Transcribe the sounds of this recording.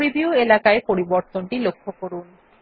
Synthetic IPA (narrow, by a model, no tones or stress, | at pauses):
ɾibiuelakaepoɾiboɾt̪oɳʈilokʰːokoɾun